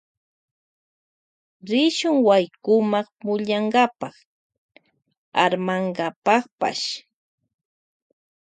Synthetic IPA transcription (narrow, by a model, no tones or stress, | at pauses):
ɾɪʃʊŋwajkʊmɑχmʊʎaŋɢapɑχ | a̰ɾmaŋɢapɑχpa̰ʃ